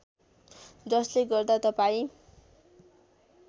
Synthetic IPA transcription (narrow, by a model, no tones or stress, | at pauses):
d͡zʌsleɡʌrd̪at̪ʌpaĩ